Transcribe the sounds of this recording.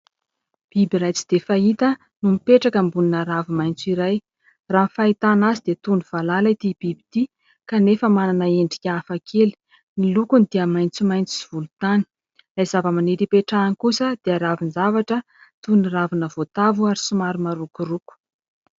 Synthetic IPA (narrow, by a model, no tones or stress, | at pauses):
b̥ibiɾajt͡si̥d̪̥efait̪ə | numipeʈ͡ʂakəmbuninaɾavumajnt͡suiɾaj | raːnfait̪anazid̪et̪unuv̥alalait̪ib̥ibit̪i | kanefəmananəeɳɖ͡ʐi̥kʲafakʰeli̥ | nilukunid̪iəmajnt͡sumajnt͡si̥iv̥ulut̪ani̥ | lajzavəmaniɾipeʈ͡ʂanikusəd̪̥eaɾavinzavaʈ͡ʂə | t̪uniravinəvot̪avuaɾisumaɾumaɾukuruku̥